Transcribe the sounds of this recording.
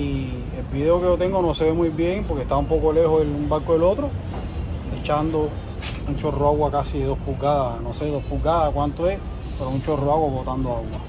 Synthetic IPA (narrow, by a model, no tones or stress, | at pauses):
i | elbiðeokeot̪e̞ŋɡonoseβemwujβjeŋpoɾkeht̪aumpo̞kole̞hoelumbaɾkoelo̞t̪ɾo | et͡ʃand̪o | mũɲt͡ʃoroaɣwakasieðo̞hpulɡaðanoseðohpuɡaðakwant̪oes | peɾomũɲt͡ʃoroaɣwaβot̪and̪oaɣwa